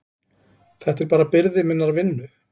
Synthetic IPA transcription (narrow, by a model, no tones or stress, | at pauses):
θɛht̪ɛɾpaːɾapɪɾðɪmɪnːaɾavɪnːʏ